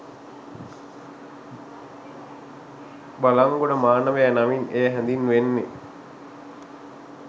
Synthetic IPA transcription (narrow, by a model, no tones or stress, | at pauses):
balaŋɡoɖəmaːnəʋeænaʋinejəɦænd̪inːʋenːe